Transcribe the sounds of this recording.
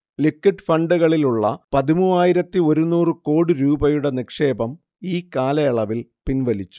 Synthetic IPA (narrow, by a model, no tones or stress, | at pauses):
likːɐʈːfɐɳɖɨɣɐɭiluɭːɐpɐðimuːaːjiɾɐt̪ːio̞ɾunuːrɨko̞ːɽiɾuːbɐjuɽe̞nikʂe̞ːbɐm | iːkaːlɐjɐɭɐʋilpinʋɐlit͡ɕːu̥